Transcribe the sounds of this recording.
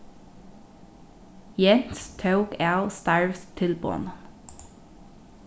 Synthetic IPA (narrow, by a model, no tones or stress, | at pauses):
jɛnst̪ʰəʊkælst̪ɑɹʋst̪ʰɪlbo̰ːnə